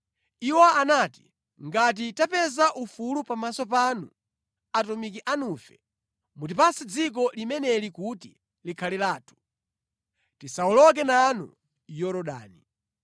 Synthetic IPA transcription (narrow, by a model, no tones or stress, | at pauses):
iwaanati̥ | ŋɡat̬itapɛzaʔufulupamasɔp̬anṵ | atɔmikiʔanuːfɛ | mutipasid͡zik̬ɔlimɛnɛlikuti | likʰalilaːtʰu̥ | tisaɔlɔk̬ɛnanṵ | jɔɾɔɗa̰ːni